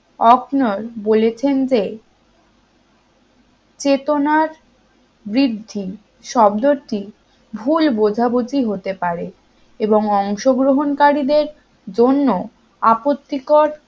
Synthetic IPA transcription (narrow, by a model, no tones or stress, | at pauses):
ɔknoɾbolet͡ɕʰend͡ʑe | t͡ɕet̪onaɾ | bɾid̪ʱːi | ʃɔb̚d̪oɾt̪i | bʱulbod͡ʑʱabod͡ʑiɦot̪epaɾe | eboŋɔŋʃoɡɾoɦonkaɾid̪eɾ | d͡ʑonːo | apot̪ːikoɾ